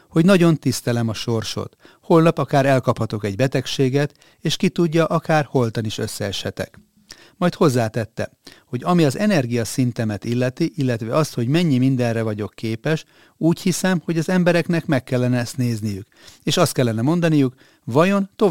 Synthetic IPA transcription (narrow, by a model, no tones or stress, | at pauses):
ho̞ɟnɒɟo̞nt̪ist̪ɛlɛmɒʃo̞rʃo̞̰t̪ | ho̞lnɒpɒkaːɾɛlkɒphɒt̪o̞kɛɟbɛt̪ɛkʃeːɡɛt̪ | eːʃkit̪uɟːɒʔɒkaːrho̞lt̪ɒniʃø̞sːɛɛʃhɛt̪ɛ̰k | mɒjt̪ho̞zːaːt̪ɛt̪ːɛ̰ | ho̞ɟɒmiɒzɛnɛrɡijɒsint̪ɛmɛt̪ilːɛt̪iʔilːɛt̪ʋɛɒst̪ho̞ɟmɛɲːimind̪ɛnrɛvɒɟo̞kːeːpɛʃ | uːchisɛmho̞ɟɒzɛmbɛɾɛknɛkmɛkːɛlːɛnɛst̪neːznijyk | eːʃɒst̪kɛlːɛnɛmo̞nd̪ɒnijuk | vɒjo̞nt̪o̞